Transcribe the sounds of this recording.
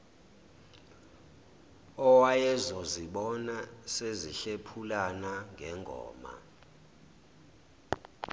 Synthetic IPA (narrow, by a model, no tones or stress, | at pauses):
ɔwajɛzɔziɓɔnaseziɬepʰulanaŋɡʱɛŋʱɔ̰ːma̰